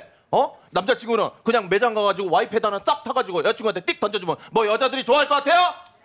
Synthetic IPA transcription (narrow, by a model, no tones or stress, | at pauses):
ʌnamd͡ʑat͡ɕiŋɡunɯnkɯɲaŋme̞d͡ʑaŋɡaɡad͡ʑiɡowaipʰe̞danɯns͈ak̚tʰaɡad͡ʑiɡojʌt͡ɕʰiŋɡuatʰet͈ik̚t͈ʌnd͡ʑʌd͡ʑumɯnmwʌjʌd͡ʑadɯɾit͡ɕoaɦaɭk͈ʌk͈atʰe̞jo